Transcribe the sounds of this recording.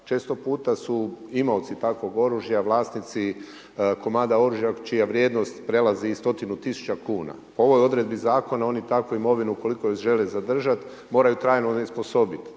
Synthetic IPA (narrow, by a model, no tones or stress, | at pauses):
t͡ʃe̞ːst̪o̞puːt̪asuimout̪sit̪akʋo̞ɡo̞ɾuʒjaʋlˠaːsnit̪si | ko̞mand̪ao̞ɾuʒjat͡ʃijaʋɾʲjeːd̪no̞st̪pɾe̞lazist̪o̞t̪inut̪isu̥t͡ʃakuːna̰poo̞ʋo̞jo̞d̪ɾe̞d̪̚bizaːko̞nao̞nit̪akoimo̞ʋinuko̞liko̞josʒe̞lezad̪r̩ʒat̪ | mo̞ːɾajut̪ɾaːjnonespo̞so̞bit̪